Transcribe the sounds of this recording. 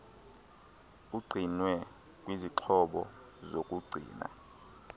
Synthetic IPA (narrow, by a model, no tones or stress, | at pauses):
uɡ͡ǀʱinwɛ | k̬ʼwiziǁʰɔɓɔ̰ | zokʼuɡ͡ǀʱḭːna̰